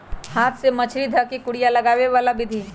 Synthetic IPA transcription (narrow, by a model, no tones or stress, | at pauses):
haːt̪ʰsemɐt͡ʃʰɾid̪ʱəkikʊɽijalɐɡaːʋeʋaːlabɪd̪ʱi